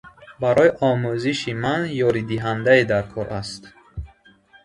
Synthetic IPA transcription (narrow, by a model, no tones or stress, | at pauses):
baɾɔjiʔɔmuziʃimanjɔɾid̪iɦand̪aed̪aɾkʰɔɾʔast̪